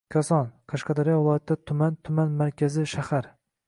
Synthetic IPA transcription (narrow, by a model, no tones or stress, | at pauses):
kʲʰasɒnqʰɑʃqɑd̪ɒɾijɒvɪlˠɒjat̪ʰːd̪at̪ʰʊmant̪ʰʊmanmaɾkʲʰazɪʃahaɾ